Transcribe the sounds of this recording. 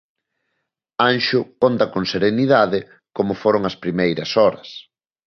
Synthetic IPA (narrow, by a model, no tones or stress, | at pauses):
anʃʊkont̪ɐkoŋseɾeniðaðɪ | komʊfoɾoŋɐspɾimejɾɐsɔɾɐs